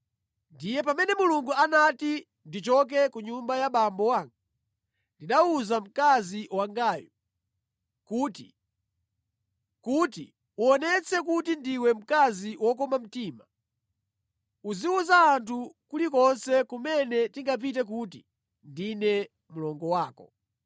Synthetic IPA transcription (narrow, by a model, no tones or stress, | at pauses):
ndijɛpamɛnɛmuluŋɡuanati | ndit͡ʃɔk̬ɛkuɲumbajaɓambɔwaːŋɡa | ndiɗauzam̩kaziwaŋɡaːju | kuːtḭ | kutḭ | uɔnɛt͡sʰɛk̬utindiwɛm̩kaziwɔkɔmam̩tiːma | uziuzaːntʰukulikɔnsɛkumɛnɛtiŋɡap̬it̬ɛk̬uti | ndinɛ | mulɔŋɡɔwaːkɔ̰